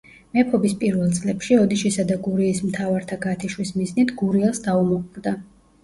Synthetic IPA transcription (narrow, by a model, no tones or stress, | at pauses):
mɛpʰɔbispʼiɾvɛlˠt̪sʼlɛpʃiɔd̪iʃisad̪aɡuɾiːsmt̪ʰavaɾt̪ʰaɡat̪ʰiʃwismiznit̪ʰɡuɾiɛlˠsd̪aumɔqʼd̪a